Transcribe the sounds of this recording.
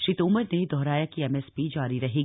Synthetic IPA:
ʃit̪ʊməɾneid̪ɔːɾaːjakiɛmɛːspid͡ʒaːɾiɾɐɦeː

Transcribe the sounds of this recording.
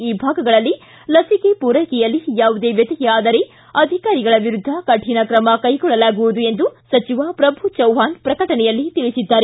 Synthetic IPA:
iːbʱaːɡɐɡɐɭɐlːi | lɐsikepuːɾɐkɛjɐlːijaːʋud̪e̞ːʋjɐt̪ɐjɛaːd̪ɐɾe | ɐd̪ʱikaːɾiɡɐɭɐʋiɾud̪ʱːɐkɐʈʰinɐkɾɐmɐkɐjkɔɭːɐlaːɡuʋud̪ue̞nd̪usɐt͡ʃiʋaːpɾɐbʱut͡ʃɐwɦaːnpɾɐkɐʈɐnɛjɐlːit̪iɭisid̪ːaːɾe

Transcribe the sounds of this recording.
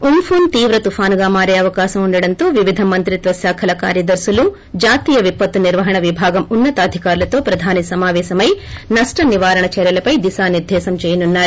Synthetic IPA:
umpʰuːnt̪iːʋɾɐt̪upʰaːnɡaːmaːɾeːɐʋɐkaːʃɐmuɳɖɐɽɐnt̪oːʋiʋid̪ʱɐmɐnt̪ɾit̪ʋɐsjaːkʰɐlɐkaːɾjɐd̪ɐɾsulu | d͡ʒaːt̪iːjɐʋipːɐt̪ːuniɾʋɐɦɐɳɐʋibʱaːɡɐmunːɐt̪aːd̪ʱikaːɾulɐt̪o̞ːpɾɐd̪ʱaːnisɐmaːʋɛːʃɐmɐjnɐʂʈɐniʋaːɾɐɳɐt͡ʃɛːɾjɐlɐpɐjd̪isaːniɾd̪ʱɛːsɐmt͡ʃɛːjɐnunːaːɾu

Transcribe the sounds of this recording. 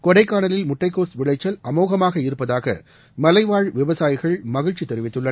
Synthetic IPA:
kɔɽɐɪkːaːnɐlɪlmʊʈːɐɪkːoːsʋɪɭɐɪt͡ʃːɐlʔɐmoːɣɐmaːɣɐɪɾɯpːɐðaːɣɐ̰ | mɐlɐɪʋaːɻʋɪʋɐsaːjɪɣɐɭmɐɣɪɻt͡ʃːit̪ːɛɾɪʋɪt̪ːɯɭːɐ

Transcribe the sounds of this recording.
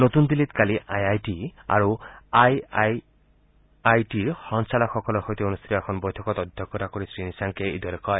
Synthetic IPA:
not̪und̪ilit̪kaliʔajajʈia̰ɾuajaj | ajʈiɾxɔŋsalaxɔkɔlɔxojt̪ionust̪ʰi̥t̪ɔɛkʰɔnbɔjt̪ʰɔkɔt̪ɔd̪ʱjɔkɔɾakɔɾisɾinisaŋkeḭd̪ʱɔɾekɔj

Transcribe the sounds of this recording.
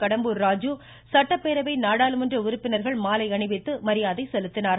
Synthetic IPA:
kɐɽɐmbɯɾɾaːd͡ʒu | sɐʈːɐpːeːɾɐʋɐɪnaːɽaːlɯmɯndrɯʊɾʊpːɪnɐɾɣɐɭmaːlɐɪɐɳɪʋɪt̪ːɯmɐɾɪjaːðɐɪsɛlɯt̪ːɪnaːɾɐ

